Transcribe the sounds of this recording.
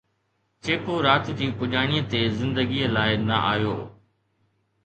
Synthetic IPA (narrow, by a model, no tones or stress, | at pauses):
t͡ʃeːkoːɾaːt̪t̪iːpʊʄaːɽ̃iːət̪eːzɪ̃nd̪əɡiːəlaːɪnəʔa̰ːjoː